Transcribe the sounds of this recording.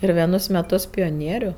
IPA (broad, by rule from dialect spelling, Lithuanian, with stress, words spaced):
ɪr ʋʲiɛˈnʊs mʲɛˈtʊs pʲoːˈnʲiɛrʲʊ